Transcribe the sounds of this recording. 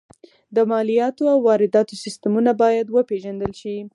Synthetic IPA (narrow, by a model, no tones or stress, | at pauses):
d̪əmɑlijɑt̪oawːɑɾɪd̪ɑt̪osɪst̪amunabɑjad̪wəpeʒand̪əlʃi